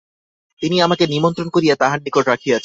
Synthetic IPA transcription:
t̪iniamakenimont̪ɾonkoɾijat̪aɦanːikoʈɾakʰijat͡ɕʰ

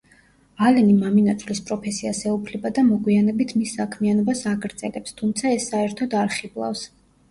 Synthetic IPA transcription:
alɛnimaminat̪sʰvlispʼɾɔpʰɛsiasɛupʰlɛbad̪amɔɡwianɛbit̪ʰmisːakʰmianɔbasaɡɾd̪z̥ɛlɛpst̪ʰumt̪sʰaɛsːaɛɾt̪ʰɔd̪aɾχiblˠa̰fs

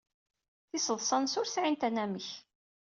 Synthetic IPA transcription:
θɪsəðˤsˤɑnsʊɾsʕint̪ænæməç

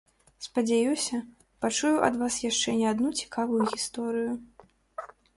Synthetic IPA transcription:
spɐd͡zʲajusʲɐ | pat͡ʂujuʔɐ̰d̪vasjaʂt͡ʂɛnʲɛad̪nut͡sʲi̥kavujuɣʲist̪ɔɾɨju

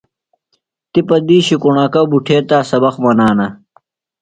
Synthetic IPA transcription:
t̪ipɐd̪iːɕikuɳaːkɐbuʈʰeːt̪aːsɐbɐxmɐnaːnɐ

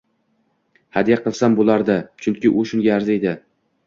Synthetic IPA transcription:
had̪jaqɨlˠsambolˠaɾd̪at͡ʃʰʊŋkʲɪʔʊʃʊŋʲaaɾzɪed̪ɪ

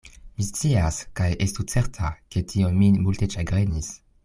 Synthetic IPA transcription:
mist͡siaskajʔestut͡seɾtʰake̞tʰionmimulte̞ʃaɡʁenis

